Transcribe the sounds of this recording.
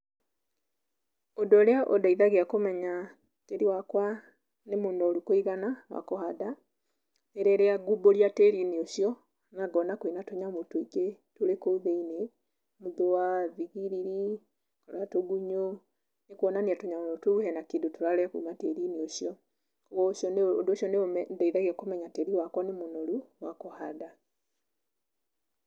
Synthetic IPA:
odɔleaʔodaiðaɣiakomɛɲa | teɾiwakwa | nemuːndɔlukoiɣanawa̰kohaða | eɾɛɾeaɡuboɾjateɾinioʃiɔ | ŋaɡɔnakwinatoɲamutoiketolekouðeine | muðowaviɣiɾiɾi | kɔɾatoɡuɲo | nekɔnaniatoɲamonotuuhɛnakidotoɾalɛakṵmatɛɾinioʃjɔ | kɣɔʃɔndoʃɔnedaiɾaɣiɛkomɛɲatɛɾiwakwɔnemonoluwakohaða

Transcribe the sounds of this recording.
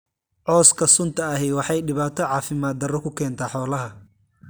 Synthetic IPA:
ʕɔːskʰɐsʊnt̪ʰɐɐɦɛjwɑħɑjɖɪβaːt̪ʰɔʕɑːfɪmaːd̪̚ɐrɔkʰʊkʰɛːnt̪ʰaːħɔːlɐɦɐ

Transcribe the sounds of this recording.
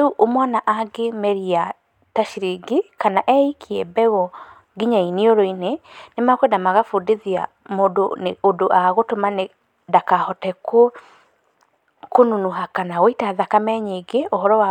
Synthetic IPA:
euʔomwanaʔaɡemɛɾia | taʃiɾiɡikanaʔɛikʰiɛbɛɣɔ | ɡiɲainioɾoinenemakwedamaɣafudiðia̰ | modoneodoʔaɣotomane | dakahɔtɛko | konunuɦakanawoitaðakamɛɲeɡeohɔɾɔwa

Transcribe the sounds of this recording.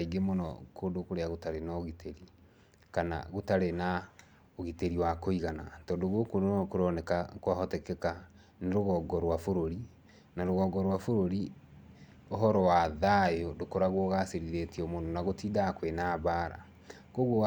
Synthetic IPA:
aiɡemonɔ̰kʰondokoɾeaɣotaɾenaoɣitʰeɾi | kana̰ɣotaɾena | oɣiteɾiwakoiɣana̰tɔːndoɣokondonɔkoɾɔnɛkakwaɦɔtɛkɛka | neɾoɣɔːɡɔɾwafoɾoɾi | naɾoɣɔɡɔɾwafoɾoɾi | oɦɔɾɔwaðajɔdokoɾaɣwɔɣaseɾiðetiɔmonɔnaɣotiːdakwenaβaɾa̰ | koɣwo

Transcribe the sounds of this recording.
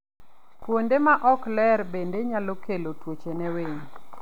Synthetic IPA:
pwondemaʔɔklɛrbendeɲalokʰelotwot͡ʃenɛweɲ

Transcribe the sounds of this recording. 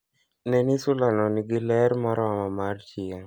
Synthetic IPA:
nɛnisʊlanɔniɡɪlɛɾmɔɾɔamamart͡ʃɪa

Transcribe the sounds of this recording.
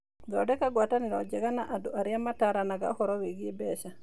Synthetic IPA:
ɡaɔdɛkaɡwataniɾɔd͡ʒɛɡanaʔaduaɾjamataɾanaɡa̰hɔɾɔweɡiebɛʃa

